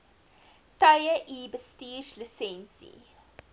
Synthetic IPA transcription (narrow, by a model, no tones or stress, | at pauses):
tɐɥəʔibəstiːslisɛnsḭ